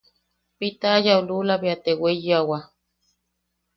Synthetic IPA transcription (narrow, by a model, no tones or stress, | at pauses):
pit̪aːjaululabeat̪ewejawa